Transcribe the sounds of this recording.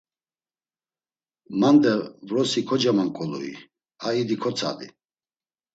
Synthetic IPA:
mand̪ɛvɾɔsikʰɔd͡ʒamaŋkʼɔlṵḭ | aid̪ikʰɔt͡sʰa̰d̪i

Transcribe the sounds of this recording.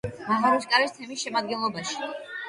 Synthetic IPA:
maʁaɾiskʼaɾist̪ʰɛmisʃɛmad̪̚ɡɛnlˠɔbaʃi̥

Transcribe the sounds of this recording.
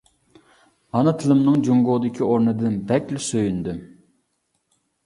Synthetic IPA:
ɑnɨt̪ʰɨlˠɨmnɨŋd͡ʒoŋɡoʁd̪ɪkʲʰioɾnɨd̪ɨnbɛkʲlɪsøjynd̪y

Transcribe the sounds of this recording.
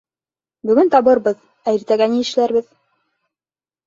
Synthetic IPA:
bɵ̆ɡɵnt̪ɑβɤɾbɤð | æjɘ̆ɾt̪æɡænijɘ̆ʃlæɾβɘð

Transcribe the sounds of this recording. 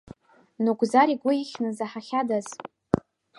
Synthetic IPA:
nuɡʷzaɾiɡʷʊiχʲnɨzaħaχʲadaz

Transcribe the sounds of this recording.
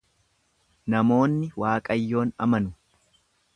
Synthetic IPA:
nɐmo̞ːnːɪwaːkʼɐjːo̞ːnɐ̰mɐnʊ

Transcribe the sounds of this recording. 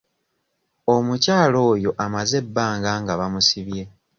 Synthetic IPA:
o̞mucaːlo̞ːjo̞ʔamaze̞bːaːŋɡaːŋɡaβamusiβje̞

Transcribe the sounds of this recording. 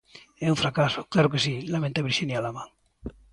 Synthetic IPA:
ɛuɱfɾakaso̥klaɾokesilamẽnt̪aβiɾʃinjalamaŋ

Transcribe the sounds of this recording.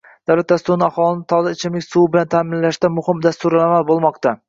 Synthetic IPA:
d̪̥awlat̪̚d̪ast̪ʊɾɪnɪahɒlˠɪnɪt̪ʰɒaɪt͡ʃʰɪmlɪkʲsuwbɪlant̪ʰaːmɪnlaʃt̪amʊhɪmd̪ast̪ʊɾalamalbolˠmɒqt̪a

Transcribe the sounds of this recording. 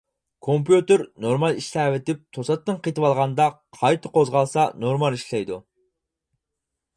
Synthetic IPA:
kʰompjut̪ɪɾnoɾmɑlˠiʃt̪ævɪt̪ɪp̚t̪ʰosɑt̪ːɨnqet̪ʰɨwɑlˠʁɑnd̪ɑqʰɑjt̪ʰɨqʰozʁɑlˠsɑnoɾmɑlˠiʃlɛjd̪u

